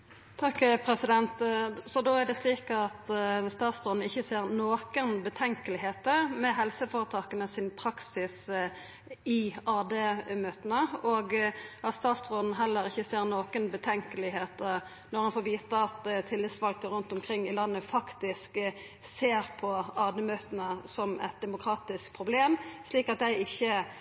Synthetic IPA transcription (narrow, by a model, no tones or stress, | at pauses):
t̪ʰɑkːpʰɾɛsɪd̪ɛnt̪sɔd̪oːæɖ̪ɛsliːkɑt̪st̪ɑːt̪sʁoːd̪nəɪçːəseːʁnoːkənbət̪ʰɛŋkəlɪɦeːt̪əɾmɛɦɛlsəfɔɾət̪ʰɑːkənəsɪnpʰɾɑksɪs | ɪɑːd̪eːmøːt̪ənəɔɡɑt̪st̪ɑːt̪ʁoːd̪n̩ɦɛlːəɾɪçːəseːʁnoːkənbət̪ʰɛŋkəlɪɦeːt̪ə | nɔʁhɑnfoːʋiːt̪əɑt̪t̪ʰɪlːɪd̪sʋɑlkəɾʉnt̪ɔmkʰɾɪŋːɪlɑnːəfɑkt̪ɪsk | seːɾpʰɔɑːd̪ɛmøːt̪ənəsɔmɛ̰t̪̚d̪ɛmʊkʰɾɑːt̪ɪskpʰʁʊbleːmsliːkɑt̪̚d̪æɪɪçːə